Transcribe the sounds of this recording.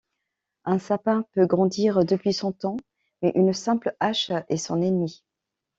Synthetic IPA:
ɛ̃sapɛ̃pøɡʁɑ̃d̪iʁd̪əpɥisɔ̃t̪ɑ̃ | mɛʔynsɛ̃plaʃɛsɔ̃nɛnmi

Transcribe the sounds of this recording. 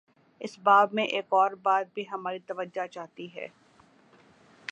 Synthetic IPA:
ɪsbaːbmẽʔeːkɔːɾbaːd̪̚bʱiɦɐmaːɾit̪ɐʋəd͡ʒat͡ʃaːɦt̪iɦɛ̰ː

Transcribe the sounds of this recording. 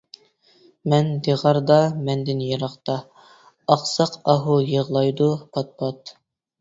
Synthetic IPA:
mɛnd̪eʁɑɾd̪ɑmɛnd̪ɪnjɑɾɑqt̪ɑ | ɑqsɑqɑɦujəʁlˠɑjd̪upʰɑt̪̚pʰɑt̪

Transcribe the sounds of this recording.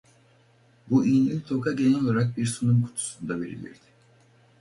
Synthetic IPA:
buʔijninʲt̪ʰo̞kʰaɟe̞nɛolˠaɾak̚biɾsunumkʰu̥t̪ʰu̥sund̪ave̞̰ɾḭlʲḭɾd̪̥ɪ̥

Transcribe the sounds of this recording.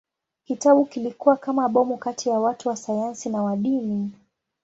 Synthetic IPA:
kitaɓukilikuwakamaɓɔmukatʰijawatuwasajansinawaɗini

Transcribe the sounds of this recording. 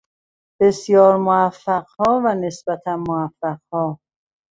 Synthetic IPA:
b̥e̞sjɒːɾmoæfːæɢhɒːvæne̞sb̥æt̪ʰænmoæfːæɢhɒː

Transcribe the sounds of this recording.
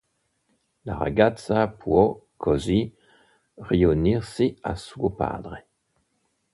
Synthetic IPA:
laʁa̰ɡatsapʰwokʰɔzi | ʁioniʁsea̰swopa̰ːd̪ʁe

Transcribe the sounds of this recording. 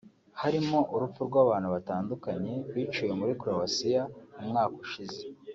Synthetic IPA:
haɾimo̞ʔuɾup͡fuɾɡwaːβaːnhuβataːndukaɲe̞wiːt͡ʃuːje̞muɾikuɾowasijaumŋaːkuʃize

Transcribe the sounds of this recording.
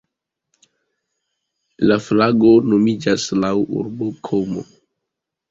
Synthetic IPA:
laflaɡonomid͡ʒaslawṵɾbokʰomo̰

